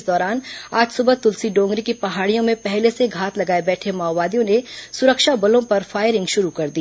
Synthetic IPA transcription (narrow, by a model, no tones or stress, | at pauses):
d̪ɔːɾaːnaːd͡ʒsʊbət̪ʊlsiɖõːŋɡɾikipɐɦaːɽijõmẽpɛɦleseɡʱaːt̪lɐɡaːebɛːʈʰemaːbaːd̪ijõnesʊɾəkʃabɐlõpɐɾfaːɪɾɪ̃ŋɡʃʊɾukɐɾd̪iː